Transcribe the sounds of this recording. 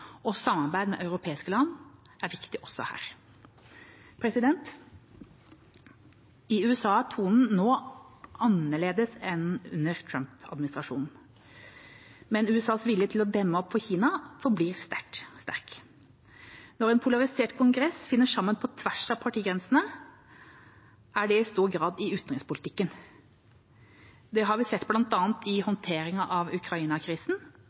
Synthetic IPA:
ɔsɑmːɑɾbæɪd̪mɛ̰ʔɑʉɾʊpʰeːɪskəlɑnːʔæɾʋɪkt̪ɪʔɔsːɔ̰hæ̰ːɾ | pʰɾɛsɪd̪ɛnt̪ | ɪʉːɛsɑːt̪ʰuːnn̩noːʔɑnəɭeːd̪əsɛnʉ̰nːəɾt̪ʰɾœmpɑ̰d̪mɪnɪst̪ɾɑʂṵːnn̩ | mɛnʉːɛsɑːsʋɪljət̪ʰɪlɔd̪ɛmːəɔpːfɔçiːnɑfɔbliːɾst̪æʈst̪æ̰ɾk | nɔɾɛnpʰʊlɑɾɪseːʈkʰʊŋɡɾɛsfɪnːəʂɑmːənpʰɔt̪ʰʋæʂɑʋpʰɑʈʰiːɡɾɛnsn̩ə | ʔæɖɛɪst̪uːɾɡɾɑːd̪ɪʉːt̪nʁɪŋspʊlɪt̪ʰɪkːən | d̪ɛɦɑɾʋɪsɛt̪ːblɑnt̪ɑːnt̪ʰɪhɔnt̪ʰeːɾɪŋɑʔɑʋʉkʰɾɑiːnɑkʰɾiːsn̩

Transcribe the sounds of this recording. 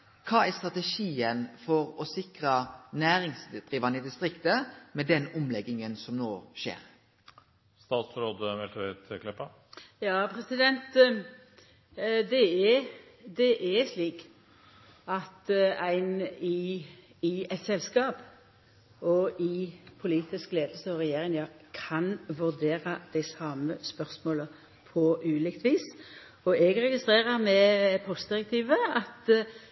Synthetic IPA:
kʰɑːæst̪ʁɑt̪ɛʃiːənfɔɾɔsɪkɾənæːɾɪŋsd̪̥ʁiːʋɑnəid̪ɪst̪ɾɪkt̪əmɛd̪ɛnʊmlɛɡːɪŋənsɔmnoːʃḛːɾ | st̪ɑːt̪sɾoːd̪əɛlt̪ɛʋeːt̪ʰəkʰlɪpːɑ | jɑːpʰɾɛsɪd̪ɛnt̪ | d̪ɛɛ | d̪ɛʔɛsliːk | ɑt̪æɪnɪ | ɪɛt̪sɛlskɑːp | ɔʔɪpʰʊliːt̪ɪskleːd̪əl̩səɔʁɛjeːʁɪŋjɑːkʰɑnʋʉʁd̪eːɾɑd̪̥æɪsɑməspœʁsmoːlə | pʰɔʔʉːlɪkt̪ʋiːs | ɔɛɡʁɛɡɪst̪ʁeːʁəʁmɛpʰɔst̪̚d̪ɪɾɛk̚t̪ʰiːʋəɑt̪

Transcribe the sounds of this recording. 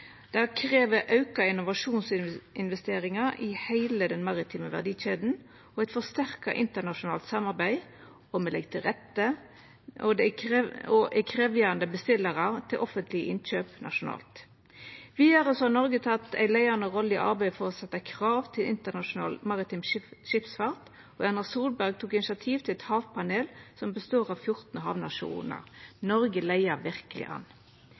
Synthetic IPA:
d̪̥ɛækʰʁeːʋəʔɑʉkɑɪnʊʋɑʂuːnsɪnʋɛst̪eːɾɪŋɑɪhæɪləd̪ɛnmɑʁɪt̪ʰiːməʋæ̰ʁd̪iːɕeːd̪n̩ | ɔæɪt̪fɔst̪æʁkɑ̰ʔɪnt̪əʁnɑʃʊnɑ̰ːlt̪sɑmɑʁbæɪ | ɔmɛlɛ̰ɡt̪ʰɪlʁɛt̪ːə | ɔd̪ɛɔʔækʰɾeːʋjæːʁɑnd̪əbəst̪ɪlːəʁɑt̪ʰɪlʔɔfənt̪ʰlɪəʔɪnɕøːpnʔɑ̰ʂʊnɑ̰ːlt̪ | ʋiːd̪əʁəsɔhɑːnɔʁɡət̪ʰɑt̪ːæ̰ɪlæɪənəʁɔləɪʔɑ̰ʁbæɪfɔʁɔsɛt̪ːəkʰʁɑːʋt̪ʰɪlɪ̰nt̪ənɑʃʊnɑ̰ːlmɑʁɪt̪ʰɪmʃɪpsfɑʁt̪ | ɔɑnəsuːʁlbæʁɡ̚t̪ʰuːkɪnɪsɑt̪ʰiːʋt̪ʰɪlɛt̪hɑːʋpʰɑneːlsɔmbəst̪oːʁɑʋfjʊʁt̪n̩ɔɦɑ̰ʋnɑʂṵːnə̰ʁnɔʁɡəlæɪəʁʋɪʁkəlɪ̰ʔɑ̰n

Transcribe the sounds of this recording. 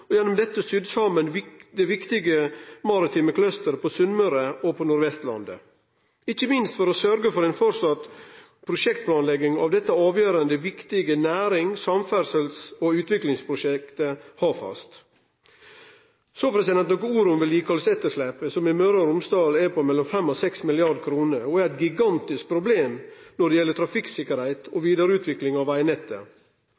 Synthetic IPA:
ɔjɛnːʊmd̪ɛt̪ːəsʏd̪sɑːmənd̪ɛʋɪkt̪ɪɡəmɑɾɪt̪ʰiːməkʰlœst̪əɾpʰɔsʉnːəɾəɔpʰɔnʊɾʋɛst̪lɑ̰nd̪ə̰ | ɪçəmɪnst̪fɔɾosœɾɡəfɔɾenfɔɾsɑt̪ | pʰɾʊʂɛkt̪̚pʰlɑːnlɛɡɪŋɑ̰ʋd̪ɛt̪ːəɑːʋjøːɾənd̪əʋɪkt̪ɪɡənæːɾɪŋsɑmfæɾsəlsoʉːt̪ʋɪklɪŋspʰɾʊʃɛkt̪əhɑːfɑ̰st̪ | sopʰɾɛsɪd̪ɛnt̪nɔkəuːɾʊmʋɪljiːkʰɑlsɛt̪ːəʂleːpəsɔmɪmœɾəɾʊmst̪ɑːlɛpʰɔmɛlːɔmfɛmːɔsɛksmɪlɪɑɾɖkʰɾuːnəɾɔæɾæɪt̪̚ɡɪɡɑnt̪ɪsk̚pʰɾʊbleːmnɔɖɛjɛlːəʈ̪ʰɾɑfɪksɪkəɾhæɪt̪ʰoʋiːd̪əɾʉːt̪ʋɪklɪŋɑʋæɪnɛt̪ːə̰

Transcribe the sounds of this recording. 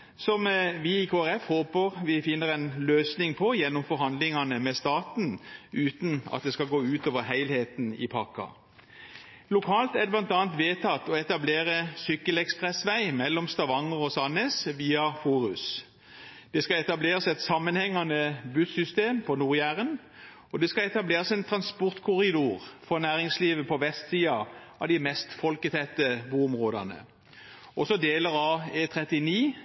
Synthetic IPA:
sɔmʋɪɪkʰoːæʁɛfhoːpəʁʋɪfɪnːəʁɛnløːsnɪŋpʰɔjɛnːɔmfɔɾhɑnd̪lɪŋɑnəmɛst̪ɑːt̪n̩ʔʉːt̪nɑ̰t̪̚d̪ɛskɑɡoːʉːt̪oːʋəʁhæɪlheːt̪nɪ̰pʰɑkːɑ̰ | lʊkʰɑːlt̪æd̪ɛblɑnt̪ɑːnt̪ʋeːt̪ʰɑt̪ːɔɛt̪ɑbleːʁəsʏkːəlɛkspʁɛsʋæɪmɛlːɔmst̪ɑʋɑŋɔʁɔsɑneːsʋiːɑfuːʁʉs | d̪̥ɛskɑɛt̪ɑbleːʁəsɛt̪sɑmːənhɛŋːɑnəbʉsʏst̪eːmpʰɔnuːʁjæʁən | ɔd̪ɛskɑɛt̪ɑbleːʁəsɛnt̪ʰʁɑnspʊʁt̪kʰʊʁɪd̪uːʁfɔʁnæːʁɪŋsliːʋəpʰɔʋɛst̪siːɑɑʋd̪ɪmɛst̪fɔlkət̪ʰɛt̪ːəbuːʊmʁoːd̪ɑ̰nə̰ | ɔsɔd̪eːləʁɑeːt̪ʰʁɛt̪ɪniː

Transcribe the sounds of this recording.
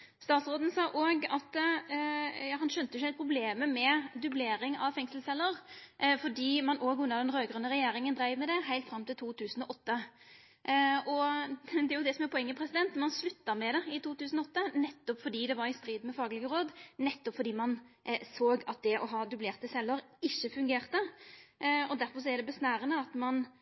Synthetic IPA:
st̪ɑːt̪sɾoːd̪n̩sɑːʔoːɡɑt̪ | jɑːhɑnʃœnt̪əjɪçːæɪt̪pʰɾʊbleːməmɛd̪ʉbleːɾɪŋɑʋfɛŋslsɛlːəʁfɔɖiːmɑnoɡʉnːəd̪ɛnʁøːɡɾʉnəʁɛjeːɾɪŋənd̪ɾæɪʋmɛd̪ɛɦæɪlt̪fɾɑmt̪ɪlt̪ʰuːt̪ʰʉːsn̩ɔʔɔt̪ːə | ʔɔd̪ɛæɾjʊd̪ɛsɔmæɾpʰɔɛŋːəpʰɾɛsɪd̪ɛnt̪mɑnslʉt̪ːɑmɛd̪ɛɪt̪uːt̪ʉːsn̩ɔɔt̪ːənɛt̪ːɔpfɔɖiːd̪ɛʋɑɾɪst̪ɾiːd̪mɛfɑːɡəlɪɡəɾoːd̪nɛt̪ːɔpfɔɖ̪iːmɑnsoːɡɑt̪̚d̪ɛʔɔɦɑːd̪ʉbleːʁt̪əsɛlːəɾɪçːəfʉŋɡeːʁt̪ə | ɔd̪æɾfɔs̬ɔæɾɖɛbəsnæːɾənəɑt̪mɑn

